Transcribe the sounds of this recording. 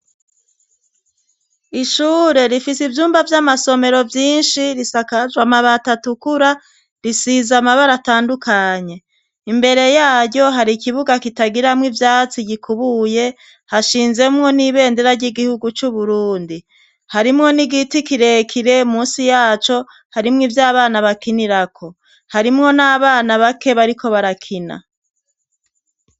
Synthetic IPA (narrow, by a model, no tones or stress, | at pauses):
iʃuːɾe̞ɾifisivjuːmbavjamaso̞me̞ɾo̞vjiːnʃiɾisakazwamaβatatukuɾa | ɾisizamaβaɾataːndukʰaɲe̞ | imbe̞ɾe̞jaːɾɟo̞ɦaɾikiβuɡakitaɡiɾamŋivjaːt͡siɟikʰuβuje̞ | haʃiːnze̞mŋo̞niβe̞ːndeɾaɾɟiɡihuɡut͡ʃuβuɾuːndi | haɾimŋo̞niɡitikiɾe̞kʰiɾe̞umuːnsijaːt͡ʃo̞ | haɾimŋivjaːβaːnaβakiniɾakʰo̞ | haɾimŋo̞naːβaːnaβake̞βaɾikʰo̞βaɾakʰina̰